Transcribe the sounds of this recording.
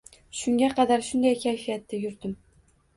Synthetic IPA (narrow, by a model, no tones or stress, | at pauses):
ʃʊŋɡʲaqʰɑd̪aɾʃʊnd̪ajkʲʰajfijat̪ːɪjʊɾd̪ɪm